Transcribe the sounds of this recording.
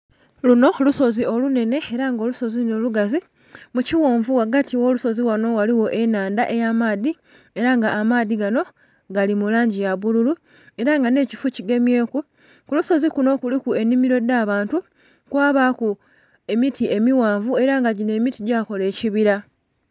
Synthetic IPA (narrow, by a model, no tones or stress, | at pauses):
luno̞luso̞zio̞lune̞ne̞eɾaŋɡo̞ːluso̞ziluno̞luɡazi | muciwoːɱvuwaɡatiwo̞ːluso̞ziwano̞waliwo̞ʔe̞naːndaʔe̞jamaːði | e̞ɾaŋɡaʔːmaːðiɡano̞ | ɡalimulaːɲɟijaβululu | e̞ɾaŋɡane̞ːcifuciɡe̞mje̞ːku | kuluso̞zikuno̞kulikue̞nimiɾo̞d̪aβaːntu | kwaːβaku | e̞mitie̞miwaːɱvue̞ɾaŋɡaɟine̞ːmitiɟaːko̞le̞ːciβiɾa